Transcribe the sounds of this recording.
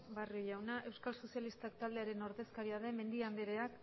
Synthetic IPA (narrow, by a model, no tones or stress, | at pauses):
baroʝawnaʔe̞wskalso̞sialist̪akt̪ald̪eaɾe̞no̞ɾðe̞skaɾiaðe̞me̞nd̪iand̪eɾeak